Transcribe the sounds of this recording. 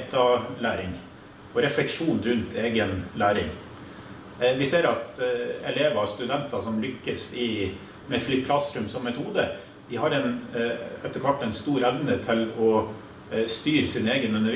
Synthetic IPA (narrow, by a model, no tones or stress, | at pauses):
t̪ɑlæːɾɪŋ | ɔɾɛflɛkʂuːnɾʉnt̪ʰeːɡənlæːɾɪ̰ŋ | ʋɪseːɾɑt̪ɛleːʋɑst̪ʉd̪ɛnt̪ɑsɔmlʏkːəsɪ | mɛflɪp̚kʰlɑsɾʉmsɔmːɛt̪ʰuːd̪ə | d̪̥ɪɦɑɾɛn | ɛt̪ːəkʰʋɔʈːɛɪnst̪uːɾɛʋnət̪ʰɪlɔ | st̪yːɾsɪneːɡənʉnːəɾ